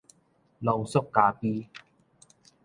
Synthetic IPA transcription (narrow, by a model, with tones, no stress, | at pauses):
lo˧wsʊ˥kːaː˧piː˦